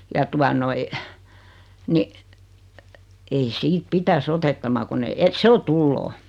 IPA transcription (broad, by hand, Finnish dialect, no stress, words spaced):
jɑ tuɑ noi ni ei siːt pitæs otetːɑmɑ kunː e et se o tulːoː